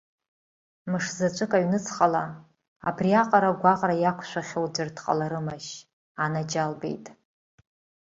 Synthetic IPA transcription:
mɨʂzat͡ʃʷʼɨkʼaɥnɨt͡sʰχʼala | a̰briaqʼaɾaɡʷaqʼrajakʷʰʃʷaχʲold͡ʒartʰqʼa̰laɾɨmaʃ | anad͡ʒalbḛjtʼ

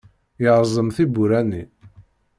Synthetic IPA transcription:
jəʁzˤəmθibuɾæni

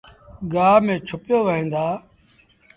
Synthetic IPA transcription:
ɡaːmẽːt͡ʃʰʊpjoːʋəĩːnd̪aː

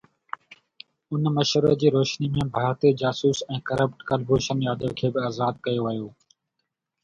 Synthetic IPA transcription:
ʊnməʃəɾəd͡ʑiːɾoːʃniːmẽːbʱaːɾt̪eːd͡ʑaːsuːsɛ̃ːkəɾəp̚ʈkəlbʱoːʃənjaːd̪əːkʰeːbɪaːzaːd̪̚kəjoːʋəjoː

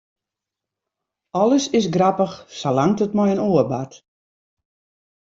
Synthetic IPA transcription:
ɔlˠəsɪs̬ɡrapəxsalaŋtətmɔjənoərbat

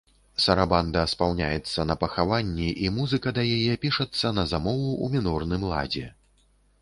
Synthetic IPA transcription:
sɐɾaband̪ɐspawnʲa̰jɛt̪sːɐnɐpɐxavanʲːiʔimuzɨkɐd̪ɐjajɛpʲiʂɐt̪sːɐnɐzamɔvuumʲinɔrnɨmlˠa̰d͡zʲɛ

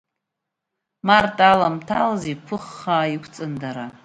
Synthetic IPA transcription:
martʼalamtʰalzipʷʰʊχːaikʷʰt͡sʼɨndaɾa

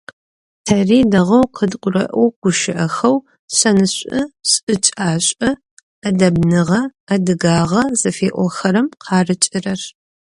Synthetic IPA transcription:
tʰɐriːdɐʁɐwqʰədqʷʊrɐ̰ʔowɡ̥ʷʊʃɪʔɐxɐw | ɕɐnɨɕʷʼɨɕʼɨt͡ʃʼaːɕʷʼɐ | adɐbnɨʁɐadɨɡaːʁɐzɐfeːʔʷɔxɐɾɨmqʰɑːrɨt͡ʃʼɪrɐr

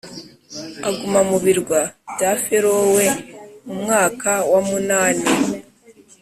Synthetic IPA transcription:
aɡumamuβiɾɡwabɟafeɾowemumŋaːkawamunaːni

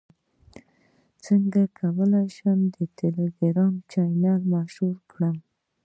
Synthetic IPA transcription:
t͡səŋɡakʰawəlajʃəmd̪ət̪eleɡɪɾɑmt͡ʃɑjnɑlmaʃhuɾkɽəm

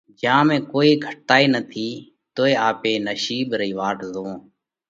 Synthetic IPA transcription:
d͡ʒãːmẽːkoːiːɡʱəʈːaːiːnət̪ʰiː | t̪oːeːaːpeːnəʃiːbɾəiːʋaːʈzõː

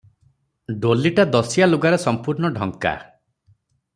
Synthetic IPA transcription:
ɖoliʈad̪ɔsijaluɡaɾesɔmpuɾɳɔɖʱɔŋka̰

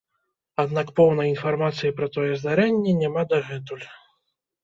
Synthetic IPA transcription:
ad̪nakpɔwn̪ɐjinfarmat̪sɨjipɾɐt̪ɔjɛzd̪aɾɛnʲːɛnʲamad̪ɐɣɛt̪ulʲ

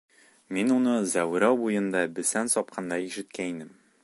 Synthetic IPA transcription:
minunɤzæwɾɑwbujɤ̆nd̪ɑbɘ̆sænsɒp̚qʰɑnd̪ɑiʃɘ̆t̪̚kæninɘm

